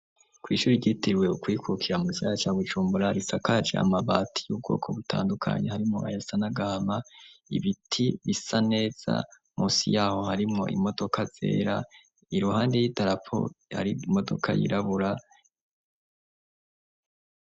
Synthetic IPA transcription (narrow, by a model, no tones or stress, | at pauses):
kwiːʃuːɾiɟitiɾwe̞ukwiːkukʰiɾamusaat͡ʃaːβud͡ʒuːmbuɾaɾisakad͡ʒea̰maβaːtʰijub̚ɡo̞̰ːkʰo̞βutʰa̰ːndukʰa̰ɲehaɾimŋo̞̰ʔajasanaɡahamaḭβitʰiβisane̞ːz̥a̰ | musijaːho̞haɾimŋo̞̰ʔḭmo̞do̞kʰaz̥e̞̰ːɾa | iɾuhaːnde̞jitaɾapʰo̞̰ha̰ɾimo̞do̞̰kʰa̰jḭɾaβuɾa